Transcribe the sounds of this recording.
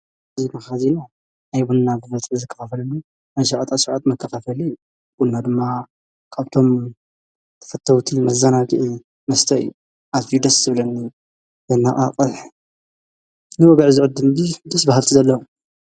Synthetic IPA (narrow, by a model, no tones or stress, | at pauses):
zimaxazina | ajbunːabɨβɐt̪ʼʕzɨkʰːɐ̥fafɐlɨnːi | najʃɐʕat̪ʼasɨʕat̪mɐkʰːɐfafɐliu | bunːad̪ɨmːa | kʰaβt̪ʰo̞m | t̪ʰɐ̥fɐt̪ʰːɐwt̪ʰimɐzːɐnaɡɨʔi | mɐst̪ʰɐɨ̰jːu | ʔazfid̪ɐsz̥ɨβlɐnːi | zɐnːaʔaqʼɨħ | nɨwɐɡɐʕzɨʕɨd̪ːɨmbid̪ɨsbahalt̪ʰizɐlːɐ